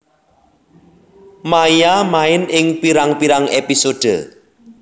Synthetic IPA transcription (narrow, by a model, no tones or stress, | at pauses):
majamaɪnɪŋpiɾaŋpiɾaŋepisoɖ̥ə̰